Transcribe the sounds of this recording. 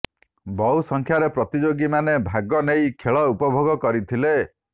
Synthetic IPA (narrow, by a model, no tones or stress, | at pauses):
bɔwsɔŋkʰjaɾepɾɔt̪id͡ʒoɡimanebʱaɡɔnejkʰeɭɔupɔbʱoɡɔkɔɾit̪ʰile